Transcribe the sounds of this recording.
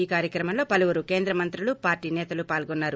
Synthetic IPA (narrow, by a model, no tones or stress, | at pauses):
iːkaːɾjɐkɾɐmɐmlo̞ːpɐluʋuɾuke̞ːnd̪ɾɐmɐnt̪ɾulupaːɾʈiːnɛːt̪ɐlupaːlɡɔnːaːɾu